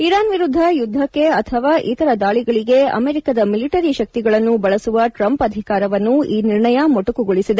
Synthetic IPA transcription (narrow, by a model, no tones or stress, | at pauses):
iɾaːnʋiɾud̪ʱːɐjud̪ʱːɐkːeɐt̪ʰɐʋaːʔit̪ɐɾɐd̪aːɭiɡɐɭiɡeɐ̰meːɾikad̪ɐmiliʈɐɾiʃɐk̚t̪iɡɐɭɐnːubɐɭɐsuʋɐʈɾɐmpɐd̪ʱikaːɾɐʋɐnːuiːniɾɳɐjɐmoʈukuɡoɭisid̪e